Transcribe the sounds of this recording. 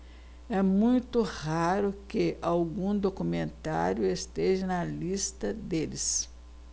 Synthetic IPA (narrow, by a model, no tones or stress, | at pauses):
ɛmũj̃t̪ʊhaɾʊkeʔawɡũd̪okumẽnt̪a̰ɾjʊest̪eʒɐnɐlist̪ɐd̪elɪs